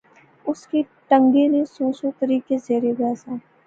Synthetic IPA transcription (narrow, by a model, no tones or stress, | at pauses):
ʊski | ʈə̃ŋɡenesõːsot̪əɾiːkezeːɾeɡɐjaːsaː